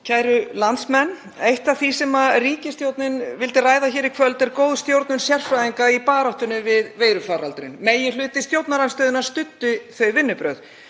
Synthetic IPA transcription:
cʰaːjɾʏlant̪smɛnː | ejht̪aθisɛmariːcɪst̪jowt̪nɪnvɪlt̪ɪraːjðaçɛːɾikʰvœlt̪ɛɾkoːwðst̪jowɾt̪nʏnsjɛr̥fɾajðiŋkaipaːɾɔwht̪ʏnʏvɪðveːjɾʏfaːɾalt̪ɾɪnmeːjɪnlʏːt̪ɪst̪jowt̪naɾanst̪œːðɪnast̪ʏt̪ːʏθœɥjvɪnːʏpɾœɥð

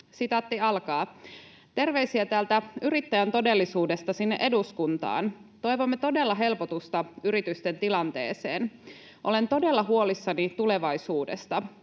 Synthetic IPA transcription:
sit̪ɑt̪ːiɑlkɑː | t̪e̞rʋe̞isiæt̪æːlt̪æyɾit̪ːæjænt̪o̞de̞lːisuːde̞st̪ɑsinːḛʔe̞duskunt̪ɑ̰ːnt̪o̞jʋo̞mːet̪o̞delːɑɦe̞lpot̪ust̪ɑyɾit̪yst̪ent̪ilɑnt̪e̞̰ːsḛːn | ʔo̞le̞nt̪o̞de̞lːɑɦuo̞lisːɑnit̪ule̞ʋɑjsuːde̞̰st̪ɑ

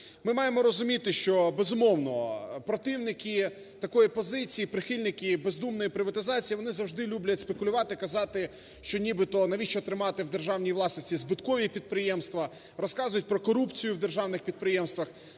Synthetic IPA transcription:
mɪmɑjemɔɾɔzʊmʲit̪ɪʃt͡ʃɔbezʊmɔwnɔpɾɔt̪ɪwnɪkʲɪ | t̪ɐkɔjipɔzɪt͡sʲijipɾɪxɪlʲnɪkʲɪbezd̪umnɔjipɾɪʋɐt̪ɪzɑt͡sʲijiʋɔnɪzɐwʒd̪ɪlʲublʲɐtʲspe̞kʊlʲʊʋɑt̪ɪkɐzɑt̪ɪ | ʃt͡ʃɔnʲibɪt̪ɔnɐʋʲit͡ʃɔt̪ɾɪmɑt̪ɪwd̪erʒɑwnʲijʋlˠɑsnet͡sʲizbɪt̪kɔʋʲipʲid̪̚pɾɪjɛmst̪ʋɐ | rɔskɑzʊjʊt̚ʲpɾɔkɔɾupt͡sʲijʊwd̪erʒɑwnɪxpʲid̪̚pɾɪjɛmst̪ʋɐx

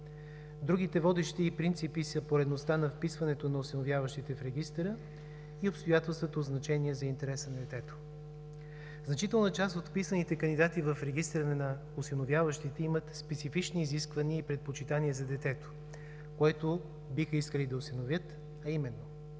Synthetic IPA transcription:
d̪ɾuɡ̟it̪ɛvɔd̪ɛʃt̪iːpɾint̪sipisɐpoɾɛd̪nost̪anɐfpisvɐnɛt̪onɐosinovʲjavəʃt̪it̪ɛfɾɛɡ̟ist̪ɛɾə | iopst̪ojat̪ɛlˠst̪vot̪oːznɐt͡ʃɛniɛzɐint̪ɛɾɛsənɐd̪ɛt̪ɛt̪o̥ | znɐt͡ʃit̪ɛlˠnət͡ʃast̪ot̪fpisvənit̪ɛkənd̪id̪at̪ivəfɾɛɡist̪ɾənnɐ | ʊsinovʲjavəʃt̪it̪ɛimɐt̪spɛt̪sifit͡ʃniːziskvɐniəipɾɛt̪̚pot͡ʃit̪aniəzɐd̪ɛt̪ɛt̪o̥ | koɛt̪o | bixəiskəlid̪ɐosinovʲjɤt̪ | ɐimɛnːo

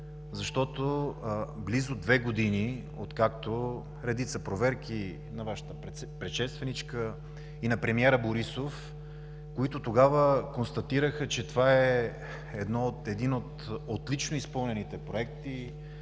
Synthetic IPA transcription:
zɐʃt̪ɔt̪o | blizod̪vɛɡod̪ini | ot̪kakt̪o | ɾɛd̪it̪səpɾovɛɾki | nɐvaʃə̥t̪ə | pɾɛʃɛst̪vɛnit͡ʃkə | inɐpɾɛmiɛɾəboɾisof | koit̪ot̪oɡavəkonst̪ɐt̪iɾəxət͡ʃɛt̪ovaɛ | ɛd̪nɔt̪ɛd̪inot̪ot̪lʲit͡ʃnoispɤlˠnɛnit̪ɛpɾoɛkt̪i

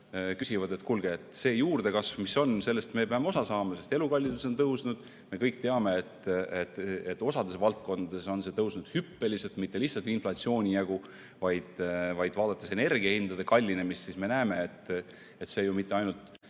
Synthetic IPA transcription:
kysʲivɑd̪et̪ːkulɡ̥e̞ːt̪ˑse̞ːjuːrd̪̥e̞kɑsvmiso̞nse̞lːe̞st̪me̞peɑmeo̞sɑsɑːmɑse̞st̪e̞lukɑlʲːid̪uso̞nt̪ɤwsnud̪̥ | me̞kɤjk̚ˑt̪e̞ɑme̞et̪et̪et̪ːˑo̞sɑd̪e̞svɑlt̪̚ko̞nd̪ɑd̪̥e̞so̞nse̞t̪ɤwsnud̪̥hypːe̞liselt̪mit̪ːe̞lihtsːɑlt̪inflɑt̪sio̞ːnʲijæɡ̥u | vɑjd̪̥vɑjd̪̥vɑːd̪̥ɑt̪ːˑese̞ne̞rɡ̥iɑhind̪̥ɑd̪e̞kɑlʲːine̞mist̪sisme̞næːme̞et̪ːˑ | et̪se̞ːjumit̪ːˑe̞ɑjnult̪ˑ

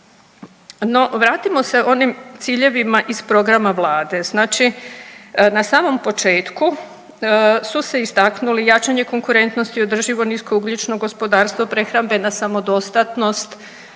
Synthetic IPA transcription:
no̞ʋɾaːt̪imo̞se̞o̞nimt̪siːʎe̞ʋimaʔispɾo̞ɡɾamaʋlˠaːd̪e̞znaːt͡ʃi | nasaːmo̞mpo̞t͡ʃe̞ːt̪ku | suse̞ist̪aknulijat͡ʃaɲe̞ko̞ŋkuɾe̞nt̪no̞st̪io̞d̪r̩ʒiʋo̞nisko̞uɡlʲut͡ʃno̞ɡo̞spo̞d̪aːɾst̪ʋopɾe̞xɾambe̞nasamo̞d̪o̞st̪at̪no̞st̪

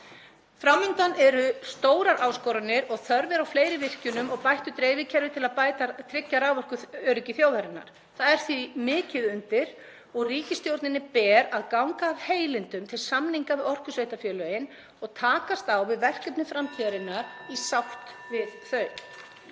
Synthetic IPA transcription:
fɾamːʏnt̪anɛɾʏst̪oːwɾaɾʔaːwskɔwɾanɪɾɔɣθœɾvɪɾawfleːjɾɪvɪr̥cʏnʏmɔɣpajht̪ʏt̪ɾeːjvɪcʰɛɾvɪt̪ʰɪlaðpaːjt̪at̪ʰɾɪcːaɾawvɔr̥kʏœːɾʏcɪθjoːwvaɾɪnːa̰ɾ̥ | θaðɛɾ̥θvimɪːcɪðʏnt̪ɪɾ̥ | ɔɣriːcɪst̪jowɾt̪nɪnɪpɛːɾaðkawŋkaːvheːjlɪnt̪ʏmt̪ʰɪlsamniŋkavɪðɔr̥kʏsveːjt̪afjœːlœɪn | ɔɣt̪ʰaːkast̪awvɪðvɛr̥kɛpnɪfɾamt̪ʰiaɾɪnːaɾ̥isawht̪vɪðθœɥ

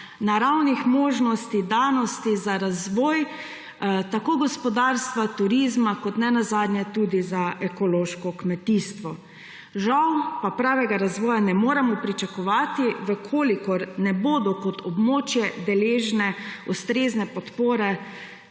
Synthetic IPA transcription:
naɾawnixmoːʒnɔst̪id̪anɔst̪izaɾazʋɔːj | t̪akoɡɔspɔd̪aɾst̪ʋat̪uɾizmakɔt̪nɛnazaːd̪nʲjɛt̪uːd̪izaʔɛkɔloʃkɔkmɛt̪iːst̪ʋɔ | ʒawpapɾaːʋɛɡaɾazʋɔːjanɛmoːɾɛmɔpɾit͡ʃakɔʋaːt̪iʋəkʰoːlikɔɾnɛboːd̪ɔkɔt̪ʰɔbmoːt͡ʃjɛd̪ɛleːʒnɛust̪ɾeːznɛpɔt̪poːɾɛ

